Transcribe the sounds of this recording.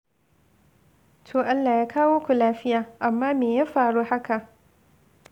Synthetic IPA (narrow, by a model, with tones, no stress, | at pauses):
tʰoː˨ʔa˦lːaː˨jaː˦kʰaː˦woː˦kʷu˨laː˦ɸɪ˦jaː˨ʔa˨mːaː˦meː˨jaː˦ɸaː˨ɽuː˦ha˦ka˨ʔ